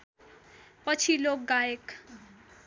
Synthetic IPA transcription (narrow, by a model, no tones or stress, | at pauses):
pʌt͡sʰilok̚ɡaek